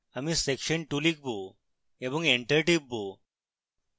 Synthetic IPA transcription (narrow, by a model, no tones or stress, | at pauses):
amisekɕəɳʈulik̚bʱo | ebuŋeɳʈəɾʈib̚bo